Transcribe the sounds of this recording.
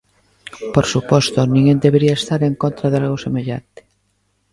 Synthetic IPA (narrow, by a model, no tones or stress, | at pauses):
poɾsupɔst̪ʊnĩŋend̪eβeɾiaest̪aɾeŋkont̪ɾaðealɣ̞ʊsemeʎa̰nt̪ɪ̥